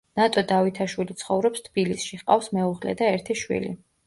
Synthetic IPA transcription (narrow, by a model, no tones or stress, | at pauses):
nat̪ʼɔd̪avit̪ʰaʃwilit̪sʰχɔvɾɔpst̪ʰb̥ilisʃiʁqʼa̰fsmɛuʁlɛ̰d̪aɛɾt̪ʰiʃwḭlḭ